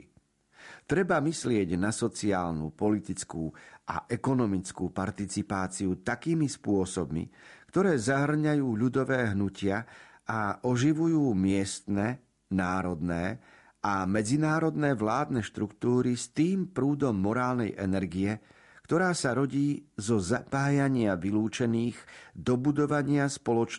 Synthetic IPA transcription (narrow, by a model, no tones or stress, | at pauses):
t̪ɾɛbamislɪɛɟnasɔt͡siaːlnṵpɔlit̪it͡skuːʔa̰ʔɛkɔnɔmit͡skuːpaɾt̪it͡sipaːt͡siut̪akiːmispʊɔsɔbmḭkt̪ɔɾɛːzaɦr̩ɲajuːʎud̪ɔʋɛːɦnucɪa | aʔɔʒiʋujuːmɪɛst̪nɛ | naːɾɔd̪nɛː | ʔamɛd͡zinaːɾɔd̪nɛːʋlaːd̪nɛʃt̪ɾukt̪uːɾist̪iːmpɾuːd̪ɔmːɔɾaːlnɛ̰jʔɛ̰nɛɾɡijɛ | kt̪ɔɾaːsaɾɔɟiːzɔzapaːjaɲɪaʋiluːt͡ʃɛniːɣd̪ɔbud̪ɔʋaɲɪaspɔlɔt͡ʃ